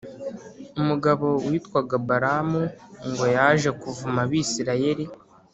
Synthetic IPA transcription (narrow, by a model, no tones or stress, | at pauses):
umuɡaβo̞wiːtkwaɡabaɾamuŋɡo̞jaʒe̞kuvumaβisiɾaje̞ɾi